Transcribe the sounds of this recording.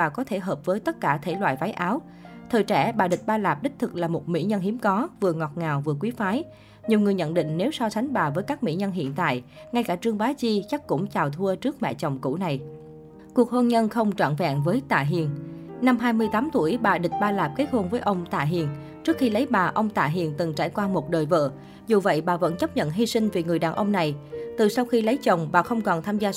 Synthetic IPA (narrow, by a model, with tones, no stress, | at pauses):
aː˨˩kɔ˨˦t̪ʰe˧˩ɦəː˨˩p̚vəː˨˦jt̪ə˦˥t̚kaː˧˩t̪ʰe˧˩lwa̰ː˧˨jva˨˦jʔaː˨˦w | t̪ʰəː˨˩jt͡ɕɛ̰˧˩ɓaː˨˩ɗï˨˩k̟̚ɓaː˧laː˨˩p̚ɗ̪ï̟˦˥t̪ʰɨ˨˩k̚laː˨˩mo˨˩t̚mḭ˧˥ɲə˧nɦi˨˦əmkɔ˨˦vɨ˨˩əŋɔ˨˩t̚ŋaː˨˩wvɨ˨˩əkwi˨˦faː˨˦j | ɲi˨˩əwŋɨ˨˩əjɲə̰˧˨nɗḭ̈˧˨ŋ̟ne˨˦wsɔ˧t͡ɕʰa˨˦jŋ̟ɓaː˨˩vəː˨˦jkaː˦˥k̚mḭ˧˥ɲə˧nɦḭ˧˨ənt̪a̰ː˧˨j | ŋa˧jkaː˧˩t͡ɕɨ˧əŋɓaː˨˦t͡ɕi˧t͡ɕa˦˥k̚kʊ̰˧˥ŋ͡mt͡ɕaː˨˩wt̪ʰu˧ət͡ɕɨ˦˥ək̚mɛ̰˧˨t͡ɕɔ˨˩wŋ͡mkṵ˧˥na˨˩j | ku˨˩ək̚ho˧nɲə˧nxə˧wŋ͡mt͡ɕwa̰ː˧˨nva̰˧˨ŋvəː˨˦jt̪a̰ː˧˨ɦḭ˧˨ənna˧mɦaː˧jmɨ˧əjt̪aː˨˦mt̪u˧˩əjɓaː˨˩ɗï˨˩ŋ̟̚ɓaː˧laː˨˩p̚ke˦˥t̚ho˧nvəː˨˦jʔə˧wŋ͡mt̪a̰ː˧˨ɦḭ˧˨ən | t͡ɕɨ˦˥ək̚xi˧lə˨˦jɓaː˨˩ʔə˧wŋ͡mt̪a̰ː˧˨ɦḭ˧˨ənt̪ɨ˨˩ŋt͡ɕa̰ː˧˩jkwaː˧mo˨˩t̚ɗəː˨˩jvə̰ː˧˨ | zu˨˩və̰˧˨jɓaː˨˩və̰˧˥nt͡ɕə˦˥p̚ɲə̰˧˨nɦi˧sï˧ŋ̟vi˨˩ŋɨ˨˩əjɗaː˨˩nʔə˧wŋ͡mna˨˩jt̪ɨ˨˩sa˧wxi˧lə˨˦jt͡ɕə˨˩wŋ͡mɓaː˨˩xə˧wŋ͡mkɔ˨˩nt̪ʰaː˧mzaː˧